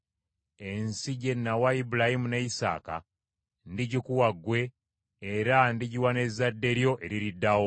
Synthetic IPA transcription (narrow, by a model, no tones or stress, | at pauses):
e̞nsiɟe̞nːawaibulahimuneisa̰ːka̰ | ndiɟikuwaɡwe̞ː | ɾandiɟiwane̞zadːe̞ɾjo̞ʔe̞ɾiɾidːawo